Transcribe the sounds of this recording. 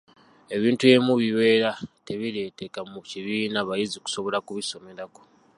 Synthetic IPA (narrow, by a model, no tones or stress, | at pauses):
e̞βiːntue̞muβiwe̞ːɾate̞βile̞ːtekamuciβiːnaβajiziku̥so̞βo̞lakuβiso̞me̞ɾako̞̥